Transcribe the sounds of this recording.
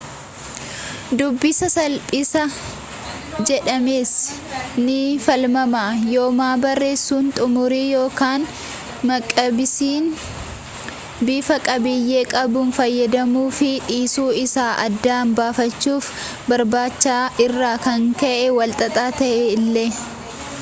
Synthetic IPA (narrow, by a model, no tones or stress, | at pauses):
d̪ʊbːɪsɐsɐlpʼɪsɐ | d͡ʒɛᶑɐmeːs | nɪfɐlmɐmaːjo̞ːmaːbɐrːe̞ːsːuːnt̪ʼʊmʊɾiːjo̞ːkaːn | mɐkʼːɐbɪsiːn | biːfɐkʼɐbɪjːe̞ːkʼɐbʊnfɐjːɐd̪ɐmuːfɪᶑiːsuːɪsaːʔɐ̰d̪ːaːmbaːfɐt͡ʃːuːf | bɐɾbaːt͡ʃːaːʔɪrːaːkɐŋkɐʔɛwɐlt̪ʼɐt̪ʼaːt̪ɐʔeːɪlːeː